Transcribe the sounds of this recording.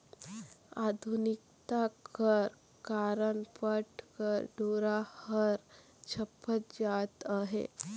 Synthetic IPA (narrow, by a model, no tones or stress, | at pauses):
a̰d̪ʱunik̚t̪akəɾ | kaɾəɳpəʈʰkəɾɖoɾahəɾ | t͡ɕʰəpːət̪̚d͡ʑat̪aɦḛ